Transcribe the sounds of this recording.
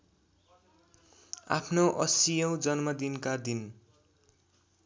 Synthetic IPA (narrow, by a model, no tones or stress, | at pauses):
a̰pʰnoʔʌsijʌw̃d͡zʌnmʌd̪inkad̪in